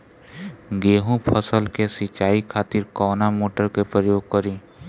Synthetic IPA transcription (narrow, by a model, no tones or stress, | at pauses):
ɡeːɦũpʰəsəlkesɪt͡ʃaːikʰaːt̪ɪɾkɔːnamoːʈəɾkepɾəjoːɡ̚kəɾi